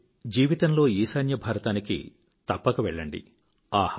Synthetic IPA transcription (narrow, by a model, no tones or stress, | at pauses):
d͡ʒiːʋit̪ɐnlo̞ːiːsɐjnjɐbʱaːɾɐt̪aːnikḭ | t̪ɐpːɐkɐʋɛɭːɐɳɖḭ | aː